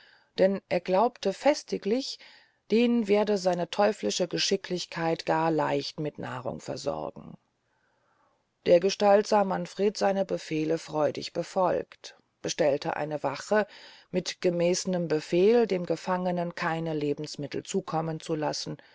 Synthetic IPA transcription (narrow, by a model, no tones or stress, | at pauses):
d̥ɛnʔeːɐɡlaʊptəfɛstɪklɪç | d̥eːnveːɐdəzaɪnətʰɔʏflɪʃəɡəʃɪklɪçkʰaɪtɡ̥aːɐla̰ɪçtmɪtna̰ːʁ̞ʊ̰ŋfɛ̰ɐzɔ̰ʁ̰ɡ̥ŋ̩ | d̥eːɐɡəʃtaltz̥aːmanfʁ̥eːtz̥aɪnəbəfeːləfʁ̥ɔʏdɪ̰çb̥əfɔlkt | b̥əʃtɛltʰə̰ʔa̰ɪnəvaχə | mɪtɡ̥əmɛːsənəmbəfeːldeːmɡəfaŋənənkʰaɪnəleːbm̩smɪtl̩t͡suːkʰɔmənt͡sulasn̩